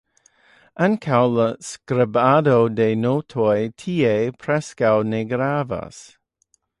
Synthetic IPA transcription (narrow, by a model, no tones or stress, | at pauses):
ʔankʰawləskɾɪbadowdenotʰojtʰiːepʰɾɛskawneɡɾava̰s